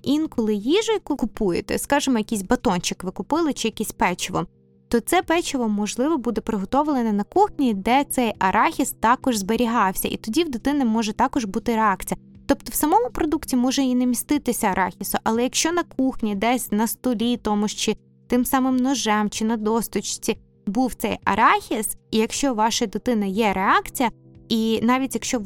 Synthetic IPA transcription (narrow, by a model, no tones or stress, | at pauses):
inkɔlˠɪjiʒɐjkʊkʊpujet̪ɛ̰skɑʒɪmɔjɐkʲisʲbɐt̪ɔnʲt͡ʃɪkʋɪkʊpɪlˠɪt͡ʃɪjɐkʲisʲpɛt͡ʃɪʋɔ̰m | t̪ɔt̪sɛpɛt͡ʃɪʋɔmːɔʒlˠɪʋɔbud̪ɛpɾɪɦɔt̪ɔʋlˠenɐnɐkuxnʲid̪ɛt̪sɛjɐɾʔɑxʲist̪ɑkɔʒzbeɾʲiɦɑwsʲɐ̰ʔḭt̪ɔdʲiwd̪ɪt̪ɪnɪmɔʒɛt̪ɑkɔʒbut̪ɪɾeɑkt͡sʲijɐt̪ɔpt̪ɔwsɐmɔmʊpɾɔd̪uktʲimɔʒɛinɛmʲist̪ɪt̪ɪsʲɐɐɾʔɑ̰xʲisʊʔɐlˠɛjɐkʃt͡ʃɔnɐkuxnʲid̪ɛsʲnɐst̪ɔlʲit̪ɔmʊʃt͡ʃɪ | t̪ɪmsɑmɪmnɔʒɛmt͡ʃɪnɐd̪ɔst̪ʊt͡ʃt͡sʲi | buwt̪sɛjɐ̰ɾɑxʲisijɐkʃt͡ʃɔʋɑʃɐd̪ʊt̪ɪnɐjɛɾeɑkt͡sʲijɐ | inɑʋʲitʲjɐkʃt͡ʃɔ